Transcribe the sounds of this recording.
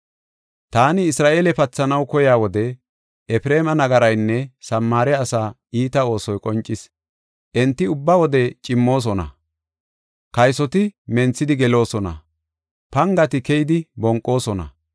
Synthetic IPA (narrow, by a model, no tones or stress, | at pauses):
t̪aːnɪːsɾaːʔeːlɛpɐt͡sːɐnɐwkɔjaːwɔd̪ɛ | ʔɛfɾe̞ːmɐnɐɡɐɾɐjnːɛsɐmːaːɾɛɐsaː | iːt̪ɐo̞ːsɔjkʼɔnt͡ʃʼːɪs | ʔɛnt̪ːɪʊbːɐwɔd̪ɛt͡ʃʼɪmːo̞ːs̬ɔnɐ̰ | kɐjsɔt̪ɪmɛnt͡sːɪd̪ɪɡɛlo̞ːsɔnɐ̰ | pɐŋɡɐt̪ɪkɛjɪd̪ɪbɔŋkʼːo̞ːsɔnɐ̰